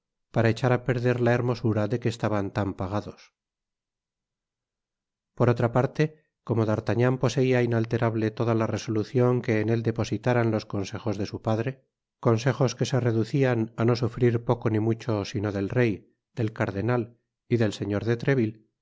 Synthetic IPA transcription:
paɾae̞t͡ʃaɾape̞ɾðe̞ɾlae̞ɾmo̞suɾaðe̞ke̞ːst̪aβant̪ampaɣ̞aðo̞s | po̞ɾo̞t̪ɾapaɾt̪e̞ | ko̞mo̞ðaɾt̪aɲampo̞se̞iainalt̪e̞ɾaβle̞t̪o̞ðalare̞so̞luθjo̞ŋke̞ːne̞ld̪e̞po̞sit̪aɾanlo̞sko̞nse̞xo̞zðe̞supaðɾe̞ | ko̞nse̞xo̞ske̞se̞re̞ðuθianano̞sufɾiɾpo̞ko̞nimut͡ʃo̞sino̞ðe̞lre̞j | d̪̥e̞lkaɾðe̞nal | iðe̞lse̞ɲo̞ɾðe̞t̪ɾe̞βil

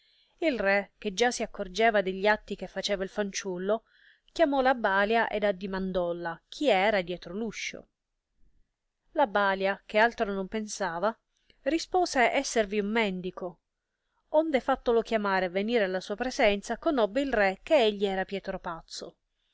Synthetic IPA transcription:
ilrɛk̟ːed͡ʒasiakːord͡ʒɛːvad̪eʎːiat̪ːik̟efːat͡ʃɛːvailfant͡ʃulːo | kjamɔlabaːljaʔed̪ad̪ːimand̪ɔlːak̟ʰiɛːɾad̪jɛːt̪ɾoluʃːo̰ | labaːljakealt̪ɾonompensaːva | rispoːseʔɛsːerviumːɛnd̪iko | ond̪efat̪ːolok̟jamaːɾevːeniːɾealːasuːapɾezɛnt̪sakonɔbːeilrɛk̟ːeeʎːiɛːɾapjɛːt̪ɾopat̪sːo

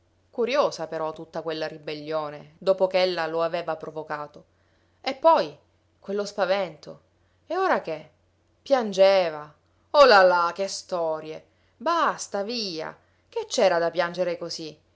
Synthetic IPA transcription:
kuɾjoːzapeɾɔt̪ːut̪ːakwelːaɾibelːoːned̪oːpokeelːaloaveːvapɾovokaːt̪o | epːɔj | kwelːospavɛnt̪o̰ | eoːɾak̟e | pːjand͡ʒeːva | olalak̟est̪ɔːɾje | bast̪aviːa̰ | k̟et͡ʃːɛːɾad̪apjand͡ʒeɾekozi

